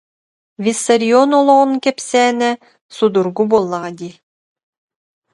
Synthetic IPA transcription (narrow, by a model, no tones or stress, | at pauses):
vʲisɐɾʲiɔnɔlˠɔʁɔnkɛpsɛːnɛ | sud̪uɾɡubulˠːaʁad̪i